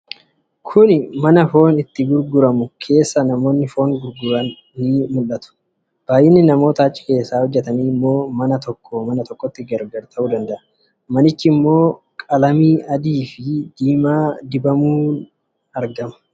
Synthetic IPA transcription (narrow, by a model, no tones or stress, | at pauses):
kʰʊnɪmɐnɐfo̞ːnɪt̪ːɪɡʊɾɡʊɾɐmʊkʰe̞ːsːɐnɐmo̞ːnːɪfo̞ːŋɡʊɾɡʊɾɐ | niːmʊlːɐt̪ʊ̥ | b̥aːjɪnːɪnɐmo̞ːt̪ɐːt͡ʃʼːɪ̥ke̞ːsːaːhɔd͡ʒːɛt̪ɐniːmːo̞ːmɐnɐt̪ɔkːɔmɐnɐt̪ɔkʼːɔt̪ːɪɡɐɾɡɐɾt̪ʰɐʔuːd̪ɐnd̪ɐʔɐ | mɐnɪt͡ʃːɪmːo̞ː | kʼɐlɐmiːʔɐd̪iːfɪd̪̥iːmaːd̪ɪbɐmuːn | ɐɾɡɐmɐ̥